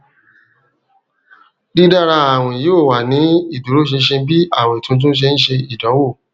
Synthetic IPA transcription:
di˦da˦ɾa˧a˦˨w̃ɔ̃˨i˨joː˦˨wa˨nĩ˨˦i˦˨du˨ɾo˦ʃ̬e˧˦ʃe˧bi˦a̰˦˨w̃ɔ̃˧i˨tũ˧˦˧t̬ũ˦ʃ̬e˧ñ̩˦ʃe˧i˨dɔ˨˦wo˦˨

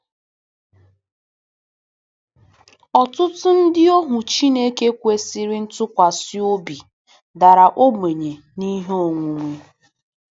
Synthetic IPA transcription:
ɔ˨tʊ˦tʊ˦n̩˦dɪ˦o˦ɦʊ˨t͡ʃi˦ne˦ke˦kʷe˦si˦ɾi˦n̩˦tʊ˦kʷa˨sjo˦bi˨ | da˨ɾa˨ʔo˦me˨ɲe˨ | ni˦ɦe˦o˦˨ŋʷu˨ŋʷe˦

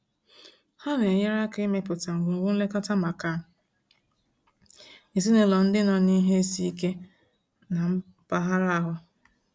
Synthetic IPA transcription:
ha˦ɾɪ˨e˨je˦ɾa˦ke˦me˦pʊ˨ta˨ŋ̩˨ɡu˨ŋ̩˨ɡʊ˦n̩˦le˦ka˦ta˦ma˨ka˨n̩˨ | e˨zi˦ne˨˦lɔ˨n̩˦dɪ˦nɔ˨ni˦ɦe˦e˦si˦i˦ke˦ | na˨m̩˦ | pa˦ɦa˦ɾa˦ɦʊ˦

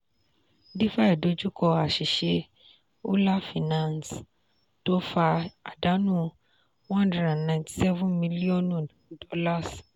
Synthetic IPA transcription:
di˦fa˦i˨do˧˦d͡ʒu˦kɔ˧a˨ʃi˨ʃe˧ | o˦la˦fi˨nã˦ns | to˦fa˧a˨da˨˦nũ˦ | wã˦ndɾɛ˨a˨nã˧˨j̃nti̥˨sɛ˦vũ˦nmĩ˧˦li˦ɔ˦˨n˨ | dɔ˧˦la˦˨s

